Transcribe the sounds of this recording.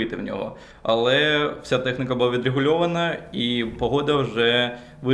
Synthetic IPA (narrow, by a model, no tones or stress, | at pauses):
ɪt̪ɪ̰wnʲɔ̰ɦɔ̰ | ɐ̰lˠɛw̥sʲat̪ɛxnʲɪkɐbʊlˠaʋʲid̪ɾeɣʊlʲɔʋɐnɐipɔɦɔd̪ɐwʐɛ | ʋɪ